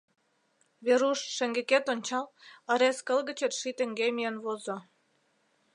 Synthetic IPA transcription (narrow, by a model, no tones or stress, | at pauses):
βeɾuʃʃĕŋɡĕket̪onʲt͡ɕɑlə̆ɾeskə̆lɣə̆t͡ɕĕt̪ʃit̪ĕŋɡemijənβozŏ